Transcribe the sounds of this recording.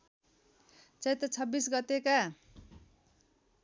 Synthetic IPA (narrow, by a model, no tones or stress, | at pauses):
t͡sʌjt̪ʌt͡sʰʌbːisɡʌt̪eka